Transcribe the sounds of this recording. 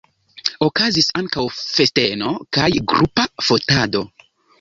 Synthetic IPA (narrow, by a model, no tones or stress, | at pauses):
okazisaŋkawfe̞steno̞kajɡɾʔupafo̞tado̞